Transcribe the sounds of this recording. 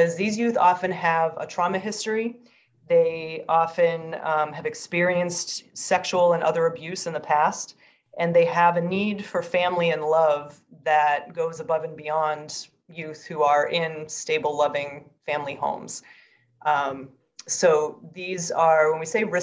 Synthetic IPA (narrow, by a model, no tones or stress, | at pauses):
ɨzðizjʉθɑfɨ̃nɨvə̰tʰɹ̥ɑmɨɦɪstɹ̥i | ðeɪɑfɨ̃ñɨvɨkspɪɹiɨ̃nstsɛkʃul̩ˠə̃nʔʌ̰ðə˞ɨbjʉsɨ̃nðɨpʰæst | ʔɨ̃nðeɪəvɨnid̥fə˞fæ̃mliɨ̃nlʌvðɨt̚ɡ̥oʊzəbʌvɨ̃nbiɑ̃nd | jʉθhuə˞ʔɪ̃nsteɪbl̩ˠlʌvɪ̃ŋ | fæ̃mlihõ̰ʊ̃mz̥ | soʊðizə˞wə̃nwiseɪɹɪ